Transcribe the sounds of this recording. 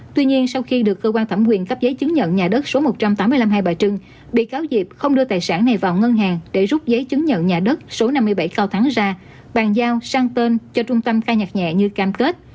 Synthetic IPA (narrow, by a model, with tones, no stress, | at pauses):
t̪wi˧ɲi˧ənsa˧wxi˧ɗɨ˨˩əkːəː˧kwaː˧nt̪ʰa˧˩mkwi˨˩ənkə˦˥p̚zə˨˦jt͡ɕɨ˨˦ŋɲə̰˧˨nɲaː˨˩ɗə˦˥t̚so˨˦mo˨˩t̚t͡ɕa˧mt̪a˨˦mɨ˧əla˧mɦaː˧jɓaː˨˩jt͡ɕɨ˧ŋ | ɓḭ˧˨kaː˨˦wzi˨˩p̚xə˧wŋ͡mɗɨ˧ət̪aː˨˩jsaː˧˩nːa˨˩jvaː˨˩wŋə˧nɦaː˨˩ŋɗḛ˧˩zʊ˦˥p̚zə˨˦jt͡ɕɨ˨˦ŋɲə̰˧˨nɲaː˨˩ɗə˦˥t̚so˨˦na˧mːɨ˧əjɓa˧˩jkaː˧wt̪ʰaː˨˦ŋzaː˧ | ɓaː˨˩nzaː˧wsaː˧ŋt̪e˧nt͡ɕɔ˧t͡ɕʊ˧ŋ͡mt̪ə˧mxaː˧jɲa˨˩k̚ɲɛ̰˧˨ɲɨ˧kaː˧mke˦˥t̚